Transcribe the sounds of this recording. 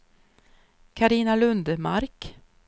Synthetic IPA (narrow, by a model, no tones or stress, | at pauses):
kʰaɾiːnalɵnd̪əmaɾk